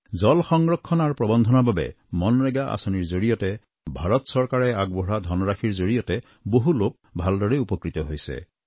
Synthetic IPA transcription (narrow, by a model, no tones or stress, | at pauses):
zɔlxɔŋɹɔkʰːɔnaɹpɹɔbɔnd̪ʱɔnababɛ̰ | mɔnɹɛɡaʔa̰sɔniɹzoɹijɔtɛ | bʱaɹɔtsɔɹkaɹɛaɡ̚bɔɦɹad̪ʱɔnɔɹakʰiɹzoɹijɔtɛ | boɦulop̚bʱaldɔɹɛupɔkɹit̪ɔɦojsɛ̰